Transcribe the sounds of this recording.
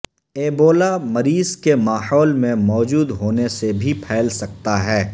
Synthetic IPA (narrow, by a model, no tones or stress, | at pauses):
eːboːlamɐɾiːzkemaːhɔːlmẽmɔːd͡ʒuːd̪ɦoːnesebʱipʰɛːlsɐk̚t̪aɦɛː